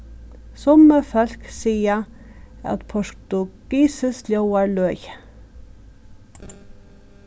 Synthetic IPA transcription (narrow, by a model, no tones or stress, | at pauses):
sɔməfœlksiːə | ɑ̰t̪pʰɔʃt̪ʉɡ̥iːsəsljoʊæːɭœːj